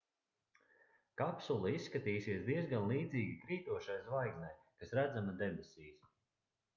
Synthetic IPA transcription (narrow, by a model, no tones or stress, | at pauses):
kapsulˠiisːkat̪iːsiɛsd̪iɛzɡanlˠiːd̪ziːɡʲikɾiːt̪uɔʃajzvajɡznaj | kasɾæd̪zamad̪ɛbisʲiːs